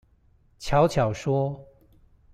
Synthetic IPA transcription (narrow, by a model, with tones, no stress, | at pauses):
t͡ɕʰjɑ˧˥ʊt͡ɕʰjɑ˨˩ʊʂwɔ˥